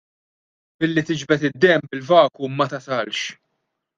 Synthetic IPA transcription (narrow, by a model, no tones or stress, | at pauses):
bɪlːit̪ɪd͡ʒbɛt̪ɪd̪ːɛmbɪlvɐːkumɐt̪ɐsɐlʃ